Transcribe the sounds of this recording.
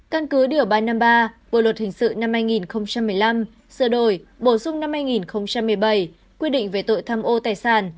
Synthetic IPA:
ka˧nkɨ˨˦ɗi˧˩əwɓaː˧jnaː˧mɓaː˧ɓo̰˧˨lwə˨˩t̚hï˨˩ŋ̟sɨ̰˧˨na˧mhaː˧jŋi˨˩nxə˧wŋ͡mt͡ɕa˧mːɨ˨˩əjla˧m | sɨ˧˩ɗo˧˩jɓo˧˩sʊ˧ŋ͡mna˧mhaː˧jŋi˨˩nxə˧wŋ͡mt͡ɕa˧mːɨ˨˩əjɓə˧˩j | kwi˧əɗḭ̈˧˨ŋ̟ve˨˩t̪o̰˧˨jt̪ʰaː˧mʔo˧t̪aː˨˩jsaː˧˩n

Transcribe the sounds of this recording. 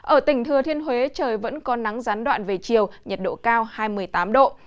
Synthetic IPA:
ʔəː˧˩t̪ï˨˩ŋ̟t̪ʰɨ˨˩ət̪ʰi˧ənhwe˨˦t͡ɕəː˨˩jvə̰˧˥nkɔ˨˦na˨˦ŋzaː˨˦nɗwa̰ː˧˨nve˨˩t͡ɕi˨˩əwɲə˨˩t̚ɗo̰˧˨kaː˧whaː˧jmɨ˨˩əjt̪aː˨˦mɗo̰˧˨

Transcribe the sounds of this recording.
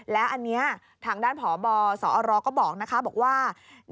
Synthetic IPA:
lɛː˦˥wʔa˧nːi˦˥ɐ | t̪ʰaː˧ŋdaː˥˩npʰɔː˩˦bɔː˧sɔː˩˦ʔɔː˧ɾɔː˧kɔː˥˩bɔː˨˩k̚na˦˥kʰa˦˥bɔː˨˩k̚waː˥˩

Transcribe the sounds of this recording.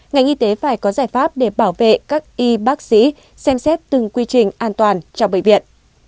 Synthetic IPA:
ŋa˨˩jŋ̟ʔi˧t̪e˨˦faː˧˩jkɔ˨˦zaː˧˩jfaː˦˥p̚ɗe˧˩ɓaː˧˩wvḛ˧˨kaː˦˥k̚ʔi˧ɓaː˦˥k̚sḭ˧˥ | sɛ˧msɛ˦˥t̚t̪ɨ˨˩ŋkwi˧t͡ɕï˨˩ŋ̟ʔaː˧nt̪waː˨˩nt͡ɕɔ˧wŋ͡mɓə̰˧˨jvḭ˧˨ən

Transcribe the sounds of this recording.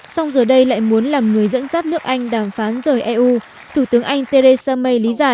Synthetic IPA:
sa˧wŋ͡mzəː˨˩ɗə˧jla̰ː˧˨jmu˨˦ənlaː˨˩mŋɨ˨˩əjzə̰˧˥nzaː˦˥t̚nɨ˦˥ək̚ʔa˧jŋ̟ɗaː˨˩mfaː˨˦nzəː˨˩jʔɛ˧ʔu˧ | t̪ʰu˧˩t̪ɨ˨˦əŋʔa˧jŋ̟t̪e˧ɾe˧saː˧mə˧jli˨˦zaː˧˩

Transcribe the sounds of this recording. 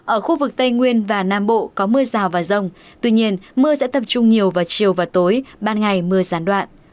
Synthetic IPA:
ʔəː˧˩xu˧vɨ˨˩k̚t̪ə˧jŋwi˧ənvaː˨˩naː˧mɓo̰˧˨kɔ˨˦mɨ˧əzaː˨˩wvaː˨˩zə˧wŋ͡mt̪wi˧ɲi˧ənmɨ˧əsɛ̰˧˥t̪ə˨˩p̚t͡ɕʊ˧ŋ͡mɲi˨˩əwvaː˨˩wt͡ɕi˨˩əwvaː˨˩wt̪o˨˦jɓaː˧nŋa˨˩jmɨ˧əzaː˨˦nɗwa̰ː˧˨nʔ

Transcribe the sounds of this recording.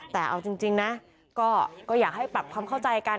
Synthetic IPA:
t̪ɛː˨˩ʔa̰˧wt͡ɕi˧ŋt͡ɕi˧ŋna˦˥ | kɔː˥˩kɔː˥˩jaː˨˩k̚ha˥˩jpa˨˩p̚kʰwaː˧mkʰa˥˩wt͡ɕa˧jʔjka˧

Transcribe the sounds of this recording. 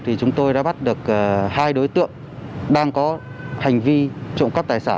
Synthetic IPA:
t̪ʰi˨˩t͡ɕʊ˨˦ŋ͡mt̪o˧jɗa̰ː˧˥ɓa˦˥t̚ɗɨ˨˩ək̚ʔəː˨˩haː˧jɗo˨˦jt̪ɨ̰˧˨əŋ | ɗaː˧ŋkɔ˨˦ | ha˨˩jŋ̟vi˧t͡ɕo̰˧˨wŋ͡mkə˦˥p̚t̪aː˨˩jsaː˧˩n

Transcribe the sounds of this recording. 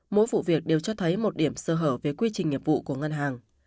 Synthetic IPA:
mo̰˧˥jvṵ˧˨vi˨˩ək̚ɗe˨˩wt͡ɕɔ˧t̪ʰə˨˦jmo˨˩t̚ɗi˧˩əmsəː˧˩ɦəː˧˩p̚ve˨˩kwi˧t͡ɕï˨˩ŋ̟ːi˨˩əp̚v̥ṵ˧˨ku˧˩əŋə˧nɦaː˨˩ŋ

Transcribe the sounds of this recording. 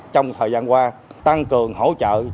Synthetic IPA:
t͡ɕɔ˧wŋ͡mt̪ʰəː˨˩jzaː˧nkwaː˧t̪a˧ŋkɨ˨˩əŋho̰˧˥t͡ɕə̰ː˧˨

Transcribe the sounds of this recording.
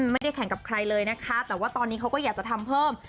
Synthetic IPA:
ma˥˩jda˥˩jkʰɛ˨˩˦ŋka˨˩p̚kʰɾa˧jlɤː˧jna˦˥kʰa˦˥t̪ɛː˨˩waː˥˩t̪ɔː˧nːiː˦˥kʰa˦wkɔː˥˩jaː˨˩k̚t͡ɕa˨˩t̪ʰa˧mpʰɤː˥˩m

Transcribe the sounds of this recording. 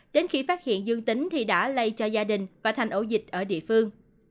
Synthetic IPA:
ɗe˨˦nxi˧faː˦˥t̚hḭ˧˨ənzɨ˧əŋt̪ï˨˦ŋ̟t̪ʰi˨˩ɗa̰ː˧˥lə˧jt͡ɕɔ˧zaː˧ɗï˨˩ŋ̟vaː˨˩t̪ʰɛ˨˩ŋ̟ʔo˧˩zï˨˩k̟̚ʔəː˧˩ɗḭ˧˨əfɨ˧əŋ

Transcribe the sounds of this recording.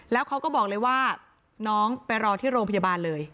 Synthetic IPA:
lɛː˦˥wkʰa˦˥wkɔː˥˩bɔː˨˩k̚lɤː˧jwaː˥˩ | nɔː˦˥ŋpa˧jɾɔː˧t̪ʰiː˥˩ɾoː˧ŋpʰa˧jaː˧baː˧nlɤː˧j

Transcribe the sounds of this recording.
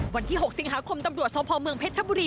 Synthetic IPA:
wa˧nt̪ʰiː˥˩ɦo˨˩k̚si˨˦ŋɦaː˨˦kʰo˧mt̪a˧mɾu˨˩ət̪̚sɔː˨˦pʰɔː˧mɯ˧ŋpʰeː˦˥t̪̚sa˧˦buː˧ɾiː˧

